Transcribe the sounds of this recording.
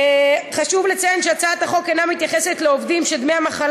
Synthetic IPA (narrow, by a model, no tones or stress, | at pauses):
χaʃuvlet͡saenʃeat͡saat̪haχo̞kenamit̪jaχe̞set̪leovdimʃed̪mejamaχal